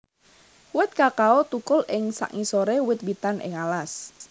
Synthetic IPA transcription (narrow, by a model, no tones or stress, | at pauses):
wɪt̪̚kakaot̪ukʊlʔɪŋsa̰ʔŋisoɾewɪt̪̚bit̪anʔɪ̰ŋalas